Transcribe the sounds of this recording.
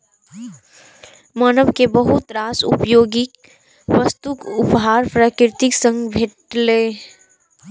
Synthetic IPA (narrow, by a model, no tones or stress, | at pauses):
maːnəʋkebəɦʊt̪ɾaːsʊ̰pjoːɡɪk | ʋəst̪ukʊpɦaːɾpɾaːkɾɪt̪ɪksə̃ŋɡbʱeʈleː